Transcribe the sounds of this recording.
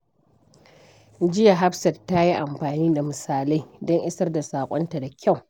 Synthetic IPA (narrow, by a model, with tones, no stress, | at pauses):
d͡ʒɪ˦ja˨ɦa˦ɸsɐ˨tːa˦ji˦ʔa˨mɸaː˨niː˦da˨mɨ˨saː˨la˦jdɔ˦ŋʔɪ˦sɐ˦rda˨saː˨kʷʼɔ˦nta˨da˨kʲʰa˦˨w